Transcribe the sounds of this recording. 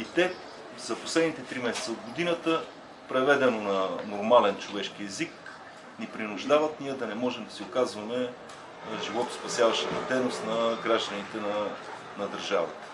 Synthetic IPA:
it̪ɛ | z̥ɐposlɛd̪nit̪ɛt̪ɾimɛsɛ̥t̪səod̪ɡod̪inət̪ə | pɾɛvɛd̪ɛnonɐnoɾmalɛnt͡ʃovɛʃkiɛzik | nipɾinʊʒd̪avət̪nijəd̪ɐnɛmɔʒɛmd̪ɐsiokazvɐmɛ | ʒivɔt̪ʊ̥spɐsjavɐʃt̪ət̪ɐd̪ɛnost̪nɐɡɾaʒd̪ənit̪ɛnɐ | nɐd̪ɐɾʒavɐ̰t̪ə̥

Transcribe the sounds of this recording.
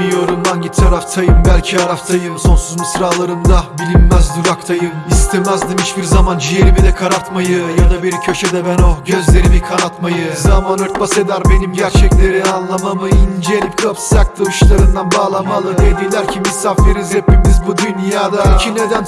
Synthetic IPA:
ijo̞ɾumd̪anɟit̪ːʰaɾaft̪ʰajɯmbælʲcʰiaɾaft̪ʰajɯmso̞nsuzmisɾaːlˠaɾɯnd̪abilʲimːæzd̪uɾakt̪ʰajɯmist̪ʰemæzd̪imhit͡ʃbiɾzamand͡ʒijeɾibid̪ʲɛkʰaɾat̪majɯjad̪abiɾcʰø̞ʃɛd̪ɛbæno̞ɟø̞zlʲe̞ɾibikʰanat̪majɯzamanøɾt̪̚base̞d̪æɾbe̞nimɟæɾt͡ʃʰɛclʲeɾianlˠamamɯind͡ʒelʲip̚kʰapszak̚t̪ʰɯvɯʃlˠaɾɯnd̪anbaːlˠamalˠɯd̪e̞d̪ilʲæɾcʰimisafeɾizɾepʰimizbud̪ynjaːd̪acʰined̪æn

